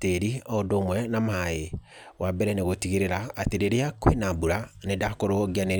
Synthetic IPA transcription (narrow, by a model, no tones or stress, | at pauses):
teɾiɔdoːmwɛnamae | wabɛɾɛneɣotiɣiɾeɾaːteɾeɾeakwenabuɾanedakoɾoɡiane